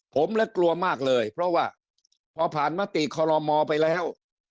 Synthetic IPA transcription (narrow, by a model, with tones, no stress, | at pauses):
pʰo˩˦mlɛ˦˥klu˧ɐmaː˥˩k̚lɤː˧jpʰɾɔ˦˥waː˥˩ | pʰɔː˧pʰaː˨˩nmaː˦˥t̪i˨˩kʰɔː˧ɾɔ˧mɔː˧pa˧jlɛː˦˥˩w